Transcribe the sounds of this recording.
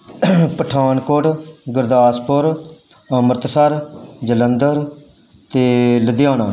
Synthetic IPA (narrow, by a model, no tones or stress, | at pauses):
pəʈʰaːnkoʈɡəɾd̪aːspʊɾ | məɾt̪səɾd͡ʒələnd̪əɾ | t̪eːləd̪ɪjaːnaː